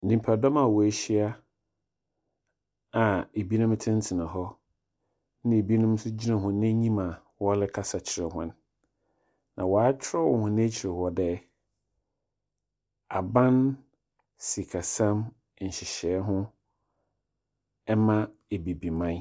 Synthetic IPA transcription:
nĩ˨mpʰa˨dɔ˦mã˨wɔ˨æ˨ɕi˦a˦ | a˨e˨bi˦nʊ̃˦m˦tʰɪ̃˦n̩˦tʰɪ˨nã˨ɦɔ˦ | nɪ̃˦e˨bi˦nʊ̃˦m˦sʊ˦d͡ʑi˦nã˨ɦʊ̃˨nɛ̃˦ɲĩ˦mã˨ | wɔ˦lɪ˦kʰa˦sa˨t͡ɕʰɪ˨ɾɛ˨ɦʊ̰̃˦n | nã˨wɔ˨a˦t͡ɕʰɪ˦ɾɔ˦whʊ̃˨nẽ˦t͡ɕʰɪ˨ɾɪ˨hɔ˨dɛ˦ | a˨bã˦n | si˨kʰa˨sã˦m̩˨ | ɕɪ˨ɕɛː˨˦ɦʊ̃˦ | ɛ˦mã˦ | e˨bi˨bi˨mã˦n˦

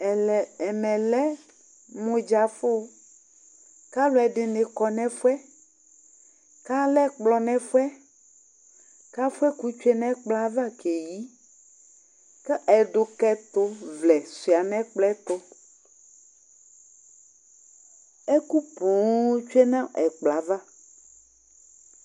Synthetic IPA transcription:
ɛ˨ɛ˨mɛ̃˨lɛ˦ | mõ˦d͡ʒa˨fo˦ | ka˦lo˨ɛ˨ɖɪ˨ne˨kɔ˨nɛ̃˦fu˦ɛ˦ | ka˦lɛ˦k͡plɔ˦nɛ̃˦fu˦ɛ˦ | ka˦fu˦ɛ˦ku˦t͡ʃu˦e˦nɛ̃˦k͡pla˦va˦ke˨ji˦ | kɛ˦ʔɛ˨ɖo˨kɛ˦t̪o˦vlɛ˨si˨a˨nɛ̃˦k͡plɛ˦t̪o˦ | e˦ku˦põ˨˦t͡ʃu˦e˦nã˦ɛ˨k͡pla˨va˦

